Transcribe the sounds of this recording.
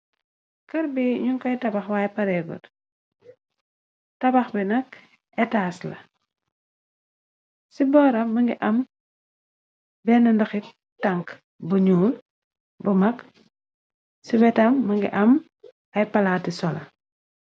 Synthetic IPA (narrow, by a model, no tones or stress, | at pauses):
kɐɾbiɲuŋkɐjtɐbɐxwaːjpɐɾɛɡɔ̰t | tɐbɐxbinɐk | ʔɛtaːslɐ̰ | sibɔːɾɐmɐŋɡiʔɐm | bɛnɐndɐxi | tɐŋk | bɐɲuːl | bɐmɐk | sibɛtɐmːɐŋɡḭʔɐm | ɐjpɐlaːtisɔlɐ̰